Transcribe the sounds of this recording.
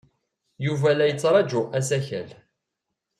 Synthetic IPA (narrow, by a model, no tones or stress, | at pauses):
juvælæjət͡sːɾˤɑd͡ʒuæsæçæ̰l